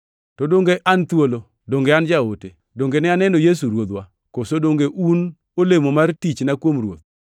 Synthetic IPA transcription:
tɔdoŋɡeʔant̪wolo | doŋɡeand͡ʒaote | doŋɡenɛanɛnojes̬uɾwot̪wa | kosodoŋɡeʔun | olemomartit͡ʃnakwomrwo̰t̪̚

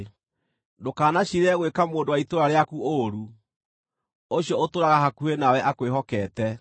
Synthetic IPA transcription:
dokaːnaɕiɾɛɣwekamoːndowaitoɾaɾeakuoɾu | oɕjɔotoɾaɣaɦakuenawɛʔakweɦɔkɛtɛ

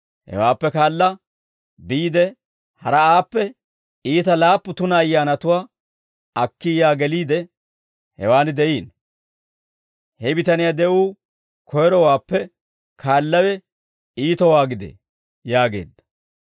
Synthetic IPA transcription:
hɛ̰waːpːɛkaːlːɐ | biːd̪ɛ | hɐɾɐaːpːɛ | iːt̪ɐlaːpːʊt̪ʊnɐːjːaːnɐt̪ʊwaː | ɐkːɪjaːɡɛliːd̪ɛ | hɛ̰waːnɪd̪ɛjiːn | hɛbɪt̪ɐnɪjad̪ɛuː | kʰɔjɾɔwaːpːɛ | kʰaːlːɐwɛ | iːt̪ɔwaːɡɪd̪ḛ | jaːɡe̞̰ːd̪ːɐ̥

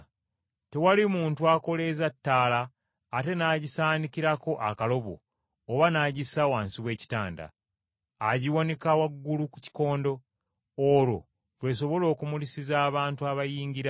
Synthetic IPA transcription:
te̞walimuːntuako̞le̞zatːaːlaː | te̞naːɟisaːnikiɾako̞ʔakalo̞βo̰ː | βanaːɟisawaːnsiβwe̞ːci̥taːnda̰ː | ɟiwone̞kawaɡːuluku̥ci̥ko̞ːndo̞ː | ɾo̞̰ | βwe̞s̬o̞βo̞lo̞ːkumulisizaːβaːntuaβajiːɲɡiɾa

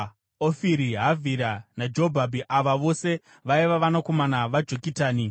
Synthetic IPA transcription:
ofiɾiɦavʱiɾanad͡ʒo̞bʱabʱiʔaʋaʋo̞se̞ | ʋaiʋaʋanako̞manaʋad͡ʒo̞kitaːni

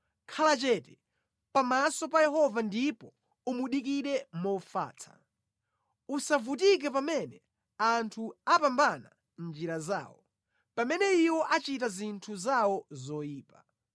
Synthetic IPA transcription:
kʰalat͡ʃɛtɛ | pamasɔpajɛɦɔvandipɔ | umuɗik̬iɗɛmɔfa̰ːt͡sʰḁ̰ | usavutik̬ɛp̬amɛnɛ | antʰuapambana̰ | nd͡ʒiɾaza̰ːwɔ | pamɛnɛiwɔʔat͡ʃit̬azintʰuzawɔzɔjiːpa

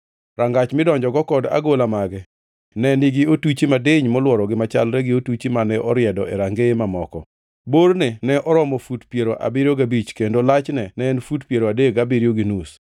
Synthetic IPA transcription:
ɾaŋɡat͡ʃmɪdɔɲd͡ʒɔɡɔkɔda̰ɡolamaɡɛ | nɛnɪɡɪotut͡ʃimadeɲmɔlwɔɾɔɡɪmat͡ʃalɾɛɡɪotut͡ʃimanɛʔɔɾjɛdɔʔɛɾaŋɡemamɔkɔ | boɾnenɛʔɔɾɔmɔfutpjeɾoʔa̰bɪɾjoɡabit͡ʃkendolat͡ʃnɛnɛɛnfutpjeɾoadeɡabiɾijoɡɪnus

